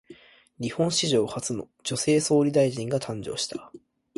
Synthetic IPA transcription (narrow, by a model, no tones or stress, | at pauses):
ɾʲihõ̞ɰ̃ɕiʑo̞ːhat͡sɨno̰ | d͡ʑo̞se̞ːso̞ːɾʲid̪aiʑĩŋɡat̪ʰãɲ̟d͡ʑo̞̰ːɕi̥t̪ḁ